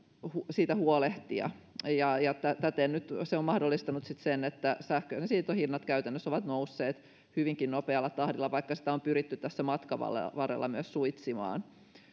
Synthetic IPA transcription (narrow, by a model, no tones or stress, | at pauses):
husiːt̪æhuoleht̪iɑ̰ | jɑjɑt̪æt̪æt̪eːnnyt̪seommɑhdolːist̪ɑnut̪sit̪senet̪ːæsæhkøːsnesiːt̪ohinːɑt̪kæyt̪ænːøsoʋɑt̪nousːeːt̪ | hyʋiŋkinnopeɑlːɑt̪ɑhdilːɑʋɑikːɑsi̥t̪æompyɾit̪ːyt̪tæsːæmɑt̪kɑʋɑ̰lḛʋɑrḛlːɑmyøssuit̪simɑ̰ːn